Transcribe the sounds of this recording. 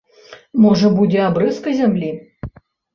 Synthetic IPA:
mɔʐɐbud͡zʲɛabɾɨskɐjzʲamlʲi

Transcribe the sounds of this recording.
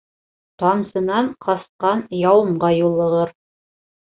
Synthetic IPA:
t̪ɑnsɤ̆nɑɴqɑsqɑnjɑwɤ̆mɢɑjulˠːɤ̆ʁɤɾ

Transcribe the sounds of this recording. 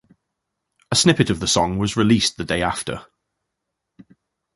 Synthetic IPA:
əsnɪpɪtəvðəsɒ̃ŋwɒzɹɪliˑsðədeɪaftə̰

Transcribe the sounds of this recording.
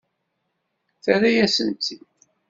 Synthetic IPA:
θæɾajæsənt̪ːi

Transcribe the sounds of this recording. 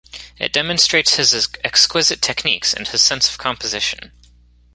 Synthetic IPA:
ɨ̰t̚d̥ɛmə̃nstɹ̥eɪtshɨzɛkskwɪzɨtʰɛknḭksɨ̰̃nɨz̥sɛ̃nsʌ̥v̥kʰɑ̃mpəzɪʃɨ̰̃n

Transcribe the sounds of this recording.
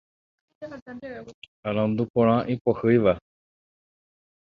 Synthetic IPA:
aɾ̃ãnd̪upõɾ̃ãʔipohɨjʋa

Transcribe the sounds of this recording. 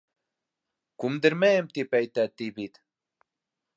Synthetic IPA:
kumd̪ɘɾmɛmt̪ipɛjt̪æːt̪ːibit̪

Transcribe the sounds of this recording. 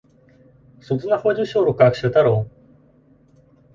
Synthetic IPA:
sot͡sɨnahoːd͡ʑĩɕoːɾokɯ̟akɯ̟ɕet̪aɾoː

